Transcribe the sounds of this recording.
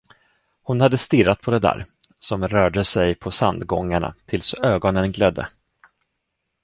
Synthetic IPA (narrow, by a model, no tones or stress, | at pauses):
hʊnhad̪ːəst̪ɪɾːat̪̚pʰɔd̪ɛd̪æ̰ːɾsɔmɾœːɖəsɛjpʰɔsand̪ɡɔŋːaɳa̰t̪ʰɪlsøːɡɔnənɡlœd̪ːə̰